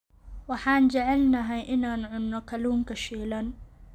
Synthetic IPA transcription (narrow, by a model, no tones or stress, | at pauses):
wɑħɑːnt͡ʃɛʕɛlnɐɦɛjʔɪnaːnʕʊnːɔkʰɐluːŋkʰɐʃiːlɐn